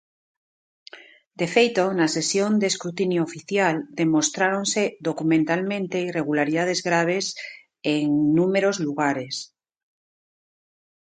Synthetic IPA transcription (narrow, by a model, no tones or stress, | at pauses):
d̪e̞fejt̪onase̞sjond̪eskɾut̪injoːfiθjald̪e̞mo̞st̪ɾaɾo̞nseðokumẽnt̪almẽnt̪eire̞ɣ̞ulaɾiðað̞e̞zɣɾaβ̞e̞s | eŋnume̞ɾozluɣaɾe̞s